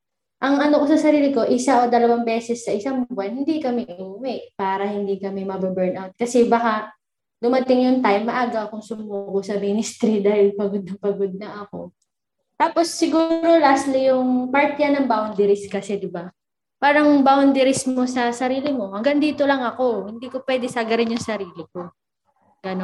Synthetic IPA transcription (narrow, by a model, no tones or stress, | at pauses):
ʔɐŋɐnoko̞sɐsɐɾiːlɪko̞ʔɪsaʔod̪ɐlɐwaŋbɛːsɛsːɐʔɪsaŋbʊɐnhɪnd̪ikɐmɛʔʔuːwɛʔpaːɾɐhɪnd̪ikɐmɛmɐbɛbɛɹnʔawt̪̚kɐsɛbɐka | d̪ʊmɐt̪ɪŋjʊnt̪ajmːɐʔaːɡɐkʊŋsʊmukosɐminɪst̪ɾid̪aːhɪlpɐɡod̪̚nɐŋpɐɡod̪̚nɐʔɐko̞̰ | t̪aːpo̞sːɪɡuːɾo̞laːst̪lijʊŋpaɹt̪jɐnɐŋbawnd̪ɛɾɪskɐsɛd̪ɪba | paːɾɐŋbawnd̪ɛɾɪsmo̞sɐsɐɾiːlɪmo̞hɐŋɡɐŋd̪iːt̪o̞lɐŋɐko̞hɪnd̪iːko̞pwɛːd̪ɛsaɡɐɾɪnjʊŋsɐɾiːlɪko | ɡɐno